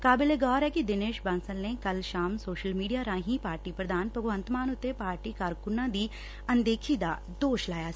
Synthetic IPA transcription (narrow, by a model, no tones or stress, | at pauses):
kaːbɪleɡɔːɾɦɛkid̪ɪneːʃbɐ̃nsəlnekɐlʃaːmsoːʃəlmiːɖijaɾãːɦĩpaːɾʈipɾəd̪aːnpɐboʋə̃nt̪maːnʊt̪ːepaːɾʈikaːɾkʊnãd̪iː | ɐ̃nd̪eːkʰid̪a | d̪oːʃlaːja